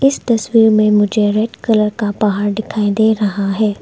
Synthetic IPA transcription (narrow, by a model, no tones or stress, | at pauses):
ɪst̪ɐswiːɾmẽmʊd͡ʒʱeɾɛɖkɐləɾkapɐɦaːɾɖɪkʰaːid̪eːɾɐɦaɦɛː